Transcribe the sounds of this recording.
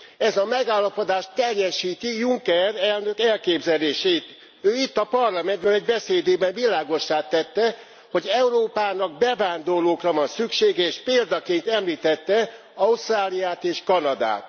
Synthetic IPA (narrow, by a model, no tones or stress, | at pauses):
ɛzɒmɛɡaːlːɒpo̞d̪aːʃt̪ːɛrjɛʃiːt̪ijuŋkɛrɛlnø̞kɛlkeːbzɛleːʃeːt̪ | øːit̪ːɒpɒrlɒmɛnd̪bølɛɟbɛseːd̪eːbɛɱvilaːɡo̞ʃːaːt̪ːɛt̪ːɛ | ho̞ɟɛuɾoːpaːnɒɡ̚bɛvaːnd̪o̞rloːkrɒvɒnsykʃeːɡɛeːʃpeːld̪ɒkeːnt̪ɛmliːt̪ɛt̪ːɛ | ɒust̪raːlijaːt̪eːʃkɒnɒd̪a̰ːt̪